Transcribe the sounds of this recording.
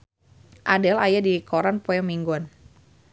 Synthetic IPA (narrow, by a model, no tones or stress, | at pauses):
ʔadɛlajadikɔɾanpɔjɔmiŋɡuan